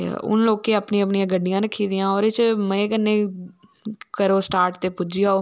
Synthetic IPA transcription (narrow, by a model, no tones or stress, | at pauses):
ʊ̰nloːkeːapniːəp̬nijãːɡəɖːɪjãːɾəkʰːiːd̪ɪjãːɔːɾet͡ʃmə̃ːkənːeː | kəɾoːsʈaːɾʈt̪eːpʊd͡ʒɪjaːoː